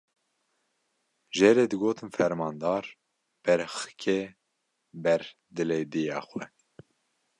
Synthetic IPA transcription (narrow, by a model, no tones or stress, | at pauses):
ʒɛɾed̪ɨɡoːt̪ʰɨnfɛɾmɑːnd̪ɑːɾ | b̥ɛɾxɨ̥kʰɛ | bɛɾ | d̪ɨleːd̪ijɑ̰ːxwɛ